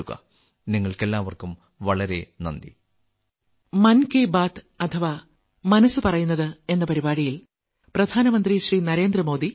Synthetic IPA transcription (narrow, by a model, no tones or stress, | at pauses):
uɣɐ̰ | niŋːɐɭke̞lːaːʋɐrkum | ʋɐɭɐɾe̞nɐ̰nd̪ḭ | mɐnkeːbaːt̪ | ɐt̪ʰɐʋa | mɐnɐsːɨpɐrɐjunːɐðɨe̞nːɐpɐɾibaːɽijil | prɐd̪ʱaːnɐmɐnd̪riɕriːnɐɾe̞ːnd̪rɐmo̞ːd̪i